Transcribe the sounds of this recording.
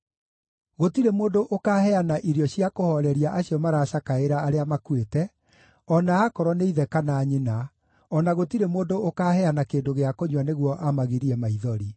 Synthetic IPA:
ɣotiɾemoːndoʔokahɛanaʔiɾjɔɕjakohɔɾɛɾiaʔaɕiɔmaɾaːɕakaeɾaːɾeamakwetɛ | ɔnaːkɔɾɔneiðɛkanaːɲena | ɔnaɣotiɾemoːndookahɛanakeːndoɣeakoɲwaneɣwɔʔamaɣiɾiɛmaiðɔɾi

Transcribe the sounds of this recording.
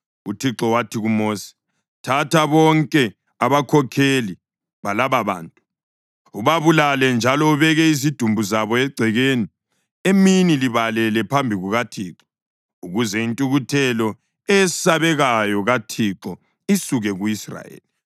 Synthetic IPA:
utʰiǁɔwatʰiɣumoːsi̥ | tʰatʰaβɔŋkʼɛ | aβakʰɔkʰeli | βalaβaβa̰ːntʼu | uβaβulalɛnd͡ʒʱalɔuβɛɣɛizid̥ʱumbʱuzaβɔɛɡ͡ǀʱɛɣeːni | eminiliβalɛlɛpʰambʱiɣuɣatʰiːǁɔ̥ | uɣuzɛintʼuɣutʰɛlɔ | ɛsaβɛɣajɔɣatʰiǁɔ | isuɣɛɣuisra̰jḛːli

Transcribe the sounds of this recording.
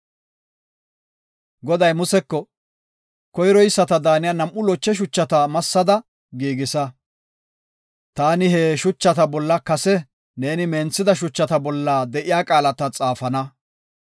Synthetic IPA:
ɡɔd̪ɐjmʊsɛkːɔ | kɔjɾɔjɪsːɐt̪ɐd̪aːnɪjɐnɐmʔːʊlɔt͡ʃːɛʃ̬ʊt͡ʃːɐt̪ɐmɐsːɐd̪ɐ | ɡiːɡɪsɐ | t̪aːnɪɦeːʃʊt͡ʃːɐt̪ɐbɔlːɐkɐsɛ | ne̞ːnɪme̞ːnt͡sːɪd̪ɐʃ̬ʊt͡ʃːɐt̪ɐbɔlːaːd̪ɛʔɪjaːkʼaːlɐt̪ɐt͡sʼaːfɐnɐ

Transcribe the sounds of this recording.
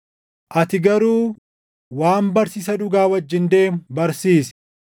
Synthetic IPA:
ʔɐt̪ɪɡɐɾuː | waːmbɐɾsiːsɐᶑʊɡaːwɐd͡ʒːɪnd̪e̞ːmbɐɾsiːsɛ̥

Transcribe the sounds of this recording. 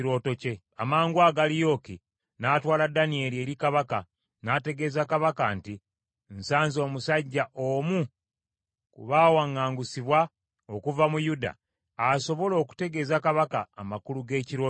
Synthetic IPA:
iɾo̞ːto̞ce̞ | amaːŋɡwaːɡalijo̞ki | naːtwaːladanie̞lie̞ːɾikaβaka | naːte̞ɡe̞zakaβakanti | nsaːnzo̞ːmusaɟːaʔo̞mu | kṵβaːwaŋːaːŋɡusiβwa | okuvamujuda̰ | aso̞βo̞lo̞ːku̥te̞ɡe̞ːzakaβakaːmakuluɡe̞ːciɾo̞ː

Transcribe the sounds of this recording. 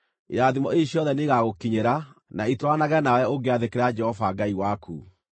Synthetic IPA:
ḛɾaðimɔeɕjɔðɛneɣaɣokiɲeɾanaitwanaɣɛnawɛoɡeaðekeɾad͡ʒɛhɔvaɡaiwakʰṵ

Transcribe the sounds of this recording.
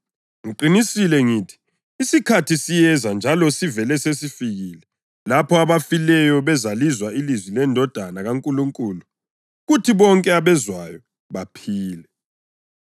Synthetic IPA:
ŋiǃinisilɛŋiːtʰi̥ː | sikʰatʰisijɛzand͡ʒʱalɔsivɛlɛsesifiɣiːlɛ | lapʰɔaβafilɛjɔβɛzalizwailizwilɛndʱɔd̥ʱanaɣaŋkʼuluŋkʼuːlu | ɣutʰiβɔŋkʼɛaβɛzwajɔ | βapʰiːlɛ

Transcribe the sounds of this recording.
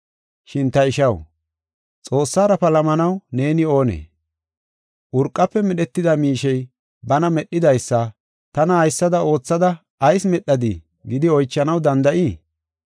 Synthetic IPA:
ʃɪnt̪ɐɪʃɐw | t͡sʼo̞ːsːaːɾɐpɐlɐmɐnɐwne̞ːnɪo̞ːnḛː | ʔʊɾkʼːɐpːɛmɛɗɛt̪ːɪd̪ɐmiːʃɛj | bɐnɐmɛɗːɪd̪ɐjsːɐ | t̪ɐnɐhɐjsːɐd̪ɐo̞ːt͡sːɐd̪ɐː | jsmɛɗːɐd̪ɪ | ɡɪd̪ɪɔjt͡ʃːɐnɐwd̪ɐnd̪ɐʔiː

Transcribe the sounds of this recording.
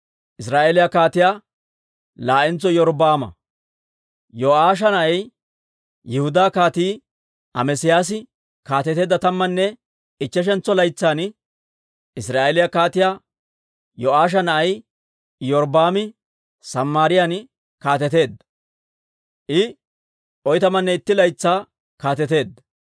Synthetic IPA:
ʔɪsɾaːʔeːlɪjakaːt̪ɪjaː | laːʔɪnt͡sːɔjɔɾbaːmɐ̰ | jɔʔaːʃ̬ɐnɐʔɐj | jɪhʊd̪aːkaːt̪iː | ʔɐ̰mɛsɪjaːs̬ɪ | kaːt̪ɛt̪e̞ːd̪ːɐt̪ɐmːɐnːɛ | ɪt͡ʃːɛʃ̬ɛnt͡sːɔlɐjt͡sːaːn | ɪsɾaːelɪjakaːt̪ɪjaː | joaːʃ̬ɐnɐʔɐj | jɔɾbaːmɪ | sɐmːaːɾɪjan | kaːt̪̬ɛt̪e̞ːd̪ɐ | ʔɪ | ʔɔjt̪ɐmɐnːɛɪt̪ːɪlɐjt͡sːaː | kaːt̪ɛt̪e̞ːd̪ɐ

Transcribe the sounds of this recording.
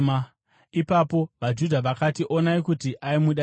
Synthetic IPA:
ipapo̞ʋad͡ʒudʱaʋakatiʔo̞naikutiʔaimuɗa

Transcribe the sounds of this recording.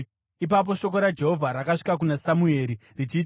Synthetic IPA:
ip̬ap̬o̞ʃo̞koɾad͡ʒe̞ɦo̞vʱaɾakaʂi̥kak̬unasamue̞ːɾirit͡ʃiːt

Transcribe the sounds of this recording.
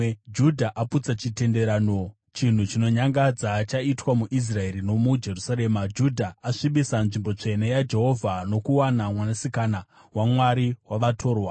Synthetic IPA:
d͡ʒudʱaʔaput͡sat͡ʃite̞nde̞ɾaːno | t͡ʃin̤ut͡ʃino̞ɲaŋɡad͡zat͡ʃaitwamuʔis̬rae̞ɾinomud͡ʒe̞rusaɾe̞ːmad͡ʒudʱaːʂiɓisanʐimbo̞t͡ʂe̞ne̞jad͡ʒe̞ɦo̞vʱano̞kuwanamwanasikana | wamwaɾiwaʋatʰo̞ːrwa

